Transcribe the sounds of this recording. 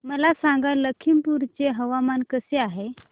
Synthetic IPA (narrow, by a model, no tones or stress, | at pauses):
məlasãŋɡalːəkʰimpuɾt͡seɦəʋamankəseaɦe